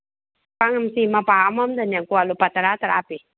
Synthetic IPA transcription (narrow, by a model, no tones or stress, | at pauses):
paŋamsimapaamamd̪anjakualupat̪əɾat̪əɾapi